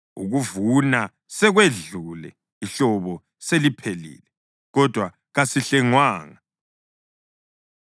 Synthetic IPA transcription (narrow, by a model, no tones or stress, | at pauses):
ṵɣuvuna | sɛɣweɮulɛ̰ | iɬɔβɔ | selipʰelḭːlɛ | ɣɔd̥ʱwa | ɣasiɬɛŋwaːŋa